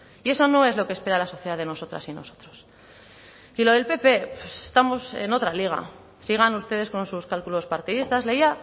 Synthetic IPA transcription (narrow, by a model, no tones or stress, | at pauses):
ie̞so̞no̞e̞zlo̞kespe̞ɾalaso̞θjeðaðe̞no̞so̞t̪ɾa̰sino̞̰sot̪ɾo̞s | ilo̞ð̞e̞lpe̞pe̞pese̥st̪amose̞̰no̞t̪ɾaliɣ̞a̰ | siɣ̞anust̪e̞ðe̞sko̞nsuskalkulo̞spaɾt̪iðist̪azle̞ia